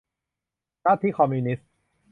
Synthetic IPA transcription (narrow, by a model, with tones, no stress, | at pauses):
naː˥˩t̪ʰiː˥˩kʰɔ˧mːjuː˧ni˦˥s